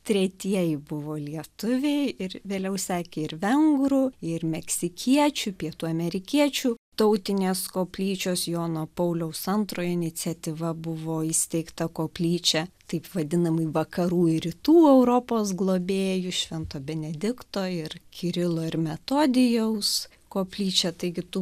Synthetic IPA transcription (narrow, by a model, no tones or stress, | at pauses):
t̪ʲɾʲɛt̪ʲiɛjɪbʊʋoːlʲiɛt̪ʊʋʲeɪɪrʋʲeːlʲɛʊsʲæːkʲeɪɾʋʲɛŋɡɾʊɪɾmʲɛksʲɪkʲiɛt͡ʃʲupʲiɛt̪uːɐmʲɛɾʲɪkʲiɛt͡ʃʲut̪ɐʊt̪ʲɪnʲeːskoːpʲlʲiːt͡ʃʲoːsjoːnoːpɐʊlʲɛʊsɐnt̪ɾoːjɪnʲɪt͡s̪ʲɛt̪ʲiʋɐbʊʋoːɪsʲt̪ʲɛɪkt̪ɐkoːpʲlʲiːt͡ʃʲɛt̪ɐɪpʋɐd̪ʲɪnɐmɐɪʋɐkɐɾuːɪɾʲɪt̪uːɛʊɾoːpoːsɡlˠoːbʲeːjʊʃʲʋʲɛnt̪oːbʲɛnʲɛd̪ʲɪkt̪oːɪrkʲʰɪɾʲɪlˠoːɪɾmʲɛt̪oːd̪ʲɪjɛʊs | koːpʲlʲiːt͡ʃʲɛt̪ɐɪɡʲɪt̪ʊ